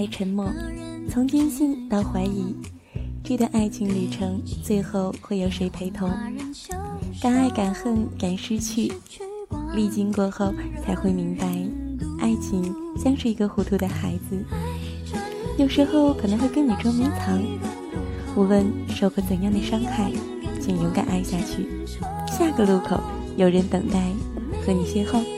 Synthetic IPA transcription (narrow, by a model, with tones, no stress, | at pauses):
a˥˩ɪʈ͡ʂʰə˧˥nmwɔ˥˩t͡sʰʊ˧˥ŋt͡ɕi˥nɕi˥˧nt̪ɑ˥˩ʊxwa˧˥ɪi˧˥ | ʈ͡ʂɤ˥˩d̪ə˨˩ʔa˥˩ɪt͡ɕʰi˧˥ŋli˨˩ʈ͡ʂʰɤ˧˥ŋt͡swe˥˧ɪxo˥˧ʊxwe˥˩ɪjo˧˥ʊʂe˧˥ɪpʰe˧˥ɪt̪ʰʊ˧˥ŋ | kɑ˥ŋa˥˩ɪka˨˩nxə˥˩nka˨˩nʂɻ̩˥t͡ɕʰy˥˩ | li˥˩t͡ɕi˥ŋkwɔ˥˧xo˥˧ʊt͡sʰa˧˥ɪxwe˥˩ɪmi˧˥ŋpa˧˥ɪa˥˩ɪt͡ɕʰi˧˥ŋ | t͡ɕjɑ˥ŋʂɻ̩˥˩i˧˥ɡə˧xu˧˥t̪ʰu˧˥d̪ə˧xa˧˥ɪd͡zɹ̩˧ | jo˨˩ʊʂɻ̩˧˥xo˥˧ʊkʰɤ˨˩nə˧˥xwe˥˧ɪk̬ə˥ni˨˩ʈ͡ʂwɔ˥mi˧˥ŋt͡sʰɑ˧˥ŋ | u˥˩wə˥˧nʂo˥˩ʊkʰɤ˧˥t͡sə˨˩njɑ˥˩ŋd̪ə˩ʂɑ˥ŋxa˥˩ɪ˧ | t͡ɕʰi˧˩ŋjo˧˥ŋka̰˨˩na˥˧ɪɕja˥˧t͡ɕʰy˥˩ | ɕja˥˩ɡə˩lu˥˩kʰo˨˩ʊ | jo˨˩ʊɻə˧˥nt̪ɤ˨˩ŋt̪a˥˩ɪ | xɤ˧˥ni˨˩ɕjɛ˥˧xo˥˩ʊ